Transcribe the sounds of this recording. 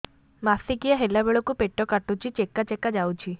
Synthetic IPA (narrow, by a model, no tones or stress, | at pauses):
masikijaɦelabeɭokũpeʈːɔkaʈũt͡ʃʰit͡ʃekːat͡ʃekad͡ʒawt͡ʃʰi